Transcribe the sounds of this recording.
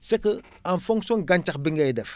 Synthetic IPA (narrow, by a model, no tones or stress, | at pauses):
sekə | anfuŋsoŋɡant͡ʃakbiŋɡadɛf